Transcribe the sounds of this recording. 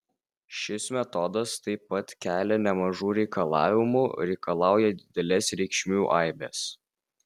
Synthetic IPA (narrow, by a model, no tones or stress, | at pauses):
ʃʲɪsmʲɛt̪ɔd̪ɐst̪ɐɪpːɐt̪kʲæːlʲɛnʲɛmɐʒuːɾʲɛɪkɐlˠɑ̰ːʋʲɪmuɾʲɛɪkɐlˠɑˑʊjɛd̪ʲɪd̪ʲɛlʲɛsɾʲɛɪkʃʲmʲuːʔɑˑɪbʲɛs